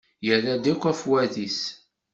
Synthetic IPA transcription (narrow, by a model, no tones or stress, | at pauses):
jəlːæd̪ækʷːæfwæðis